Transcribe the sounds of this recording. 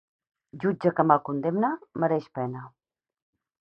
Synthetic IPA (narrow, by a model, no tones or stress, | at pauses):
ʒud͡ʒəkəmalˠkund̪emnəməɾɛʃpɛnə